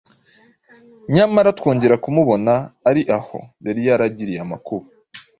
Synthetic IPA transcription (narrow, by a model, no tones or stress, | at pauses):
ɲamaɾatwoːɲɟe̞ɾakumuβo̞naːɾiʔaho̞̰βeɾijaɾaɟiɾijama̰kuβu